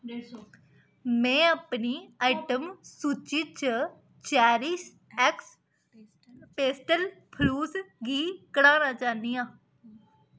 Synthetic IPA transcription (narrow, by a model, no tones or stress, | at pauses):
mɛ̃ːaːpniːaːɪʈəmsuːt͡ʃiːt͡ʃə | t͡ʃaːɾis | ɛks | peːsʈəlpʰluːsɡiːkəɽaːnaːt͡ʃaːnd̪iːãː